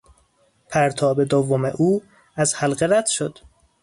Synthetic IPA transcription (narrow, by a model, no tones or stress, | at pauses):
pʰæɾt̪ʰɒːbe̞d̪ovːome̞̰ʔuː | æzhælɢeɾæd̪̥ʃo̞d̪̥